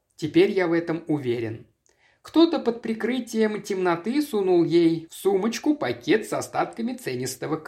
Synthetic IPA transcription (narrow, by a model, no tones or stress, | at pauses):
tʲɪpʲeɾʲjavɛt̪əmʊvʲeɾʲɪ̰n | kt̪o̞t̪əpət̪̚pɾʲɪkɾɨtʲɪjəmtʲɪmnɐt̪ɨsunulˠjejfsumət͡ɕkʊpɐkʲet̪sɐst̪at̪kəmʲɪt̪sɛnʲɪst̪əvək